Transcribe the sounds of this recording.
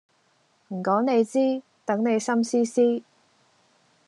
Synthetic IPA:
m̩˨˩kɔː˨˥ŋne˨˧jt͡siː˥ | t̪ɐ˨˥ŋne˨˧jsɐ˥msiː˥siː˥

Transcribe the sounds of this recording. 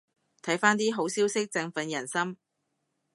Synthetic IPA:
t̪ʰɐ˨˥jfaː˥nt̪iː˥ɦo˨˥wsiː˥wsɪ˥k̚t͡sɐ˧ŋfɐ˧njɐ˨˩nsɐ˥m

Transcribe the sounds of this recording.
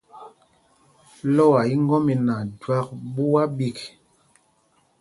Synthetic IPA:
lɔ˦wa˨i˦ŋ˦ɡɔ˦mi˨na˨dwa˦k̚bu˦wa˦bi˦k

